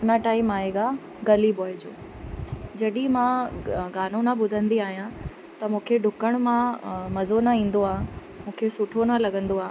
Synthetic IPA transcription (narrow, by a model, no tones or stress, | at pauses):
naʈaːɪmaːɦeɡa | ɡɐliboːɪd͡ʑo̰ː | d͡ʑɐɗĩmãɡaːn̤õnaɓʊd̪ʱə̃nd̪iaːɦijã | t̪ɐmũːkʰeɖʱʊkəɽ̃mãmɐzonaĩːn̆d̪oaː | mũːkʰesʊʈʰonalɐɡə̃nd̪oaː